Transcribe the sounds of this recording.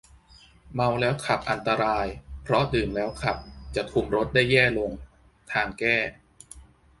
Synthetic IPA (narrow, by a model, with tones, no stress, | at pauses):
ma˧wlɛː˦˥wkʰa˨˩p̚ʔa˧nt̪a˧ɾaː˧jpʰɾɔ˦˥dɯː˨˩mlɛː˦˥wkʰa˨˩p̚t͡ɕa˨˩t̪ʰu˧mɾo˦˥t̪̚da˥˩jːɛː˥˩lo˧ŋ | t̪ʰaː˧ŋkɛː˥˩